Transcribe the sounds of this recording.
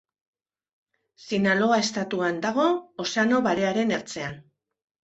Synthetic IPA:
sinalo̞ae̞st̪at̪uand̪aɣ̞o̞ːseano̞βaɾe̞aɾe̞neɾt͡se̞an

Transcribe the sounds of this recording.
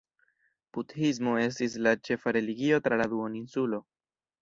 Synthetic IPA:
b̥uthis̬mo̞e̞s̬tis̬lat͡ʃe̞faɾe̞liɡio̞tɾaladuoninsulo̞

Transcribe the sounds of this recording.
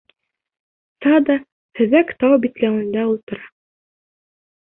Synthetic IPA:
sɑd̪ɑ | hɵ̆ðækt̪ɑwbit̪læwɘ̆nd̪æulˠt̪ɤ̆ɾɑ

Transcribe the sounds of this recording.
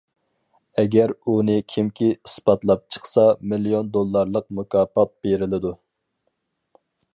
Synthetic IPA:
ɛɡʲɛɾunɨkʲʰimkʲʰiisbɑt̪lˠɑp̚t͡ʃʰə̥χsɑmilijond̪olˠːɑɾlˠəq̚mukɑːpɑt̪̚b̥eɾɪlɪd̪u

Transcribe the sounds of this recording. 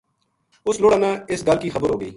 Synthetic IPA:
ʊsloːɽãːnãːɪsɡəlkiːxəbəɾɦoːɡəḭː

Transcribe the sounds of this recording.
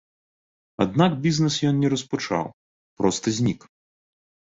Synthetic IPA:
a̰d̪nakbʲiznɛsjɔnnʲɛɾɐsput͡ʂa̰w | pɾɔst̪ɐzʲnʲik

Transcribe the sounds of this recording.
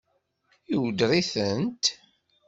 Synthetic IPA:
iwd̪ɾiθənt̪

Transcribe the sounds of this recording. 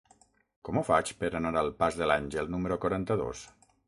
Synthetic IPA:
kɔmofat͡ʃpəɾanaɾalˠpazðəlaɲʒəlˠnuməɾokwoɾant̪əðo̰s

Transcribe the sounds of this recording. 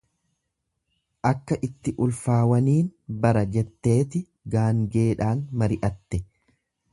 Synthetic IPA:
ʔɐkːɐʔɪt̪ːɪʔʊlfaːwɐniːnbɐɾɐd͡ʒɛt̪ːe̞ːt̪ɪ | ɡaːŋɡe̞ːᶑaːnmɐɾɪʔɐt̪ːɛ

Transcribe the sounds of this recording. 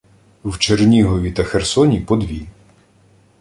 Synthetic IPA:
wt͡ʃernʲiɦɔʋʲit̪ɐxersɔnʲipɔd̪ʋʲi

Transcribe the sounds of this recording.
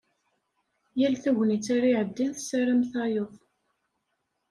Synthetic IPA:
jælθæʝnit͡sːaɾiʕəd̪ːinθsaɾamθɑjoðˤ

